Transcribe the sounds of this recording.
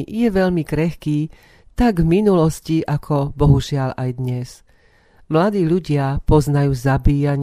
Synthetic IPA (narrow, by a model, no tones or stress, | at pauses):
jɛʋɛʎmikɾɛxkiː | t̪aɡvminulɔsciʔakʰɔbɔɦuʒɪalʔajd̪ɲɛs | mlad̪iːʎuɟɪapɔznajuːzabiːjaɲ